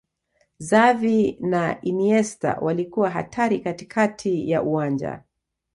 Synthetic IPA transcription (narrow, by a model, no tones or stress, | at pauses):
zavinainiɛsta̰wʔalikuwaɦa̰tʰaɾikati̥kʰatʰija̰ʔuwand͡ʒa̰